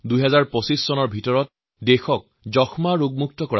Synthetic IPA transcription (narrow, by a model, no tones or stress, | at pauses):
dujɦɛzaɹpɔsisːɔnɔɹbʱitɔɹɔt̚ | dexɔk̚ | zɔxmaɹuɡ̚muk̚tɔkɔɹa